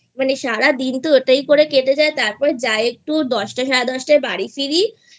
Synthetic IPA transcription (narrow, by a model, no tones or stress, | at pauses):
maneʃaɾad̪int̪oeʈajkoɾekeʈed͡ʑaet̪aɾpɔɾed͡ʑaeek̚ʈud̪ɔʃʈaʃaɾad̪ɔʃʈabaɽifiɾi